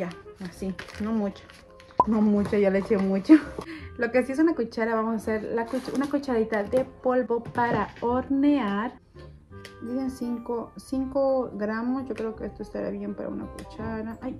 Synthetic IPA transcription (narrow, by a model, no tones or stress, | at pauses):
jaasinomut͡ʃḁ | nomut͡ʃajolet͡ʃeomut͡ʃolokesies̬unakut͡ʃaɾaβamosaseɾlakut͡ʃṵnakut͡ʃaɾit̪aðepolbopaɾaoɾneaɾ | d̪isensiŋkosiŋkoɡɾamosʝokɾeokeest̪oest̪aɾa̰βjempaɾa̰ṵna̰kut͡ʃaɾaʔaj